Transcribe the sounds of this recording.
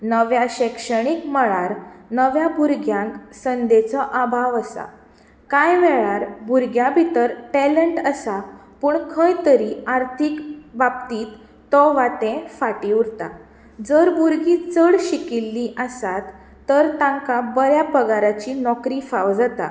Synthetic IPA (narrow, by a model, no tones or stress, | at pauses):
nəʋjaɕɛkʂəɽ̃ikməɭaɾnəʋjabʱuɾɡjãksənd̪et͡sɔʔabʱaʋəsa̰ | kãjʋɛɭaɾbʱuɾɡjãbʱit̪əɾʈɛləɳʈəsapuːɳkʰə̃jt̪əɾiaɾt̪ʰikbabt̪iːt̪ː | ɔʋat̪ẽfaʈiɾt̪a̰ | d͡zəɾbuɾɡit͡səɽɕikilːiʔəsat̪ː | əɾt̪ãŋkabəɾjabəɡʱaɾat͡ɕinɔkɾiːfaʋd͡zat̪a̰